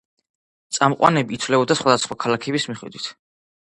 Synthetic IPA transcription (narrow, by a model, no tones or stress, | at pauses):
t̪sʼamqʼwa̰nɛbiːt̪ʰvlɛbɔd̪asχwad̪asχwakʰalakʰɛbismiχɛ̰d̪wit̪ʰ